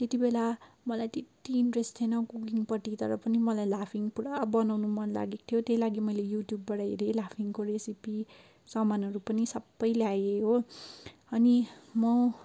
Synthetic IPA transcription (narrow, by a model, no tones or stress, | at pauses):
t̪et̪ibela | mʌlajt̪et̪ːiːɳʈresʈt̪ʰienʌkukiŋpʌʈit̪ʌɾʌpʌnimʌlajlapʰiŋpuɾabʌnawnumʌnla̰ɡekt̪ʰjot̪jejlaɡimʌjlejuʈjubːʌɽajɾelapʰiŋkoɾesipi | sʌmanʌɾupʌnisʌbːʌjleajeɦo | ʌnimʌ